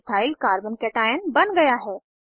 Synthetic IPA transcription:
t̪ʰaːɪlkaːɾbənkeʈaːjənbɐnɡɐjaɦɛː

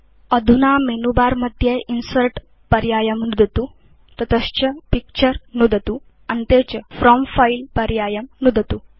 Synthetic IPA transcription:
əd̪ʱunamenubaːɾmɐd̪ʱjeʔinsəɾʈ | pɐɾjaːjɐmnud̪ʱət̪u | t̪ɐt̪əst͡ɕɐpik̚t͡ʃəɾnud̪ʱət̪u | ɐnt̪et͡ɕfɾɔmfailpɐɾjaːjɐmnud̪ʱət̪u

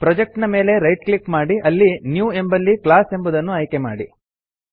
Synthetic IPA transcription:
pɾɔd͡ʒek̚ʈnɐme̞ːle̞ɾɐjʈklikmaːɽiʔɐlːinjuːe̞mbɐlːiklaːse̞mbud̪ɐnːuɐjke̞ma̰ːɽi

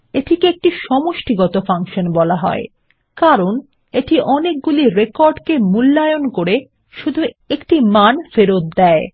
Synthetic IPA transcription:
eʈʰikeek̚ʈiʃɔmoʃʈiɡɔt̪ofaŋʃonbɔlaɦɔ̰e | kaɾon | eʈiʔɔnek̚ɡuliɾekoɾɖkemulːajonkoɾe | ʃud̪ʱu | ekʈimanfeɾot̪̚d̪ɛe

